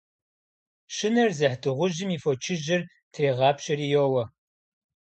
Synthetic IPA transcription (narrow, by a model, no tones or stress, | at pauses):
ʃɪnɐrzɐħdɨʁʷʊʑɪmiːfot͡ʃʰɪʒɪr | tʰreːʁɑːpɕɐrijowɐ